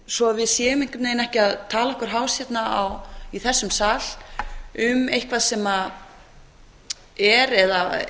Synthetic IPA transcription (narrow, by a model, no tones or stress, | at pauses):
sɔaðvɪðsjɛːɣʏmejŋ̥kʏneːjnɛhcɪaðt̪ʰaːlaɔhkʏɾ̥ɦaːwsjɛt̪naawiθɛsːʏmsaːl | ʏmejhkvaðsɛma | ɛɾɛða